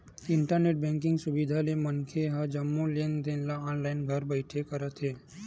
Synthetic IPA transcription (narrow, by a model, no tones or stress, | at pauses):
ɪɳʈəɾneːʈ̚bɛ̃ŋkɪ̃ŋɡsʊbid̪ʱalemənkʰeɦəd͡ʒəmːõleːnd̪eːnlaɔːnlaɪnɡʱəɾbəɪʈʰekəɾət̪ɦeː